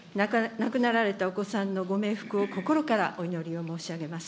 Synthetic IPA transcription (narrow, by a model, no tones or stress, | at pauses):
nakɯ̟naɾaɾe̞t̪ao̞ko̞sãnːo̞ɡo̞me̞ːɸɯ̥kɯ̟o̞ko̞ko̞ɾo̞kaɾaʔo̞ino̞ɾʲio̞mo̞ːɕiaɡe̞masɨ̥